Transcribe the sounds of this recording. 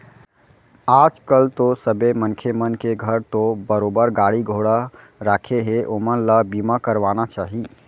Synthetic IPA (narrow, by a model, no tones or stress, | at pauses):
ad͡ʒkəlt̪osəbemənkʰemənkeɡʱəɾt̪obəɾobəɾɡaɽiɡʱoɽa | ɾakʰeɦeʔomənləbimakəɾʋanat͡ʃaɦi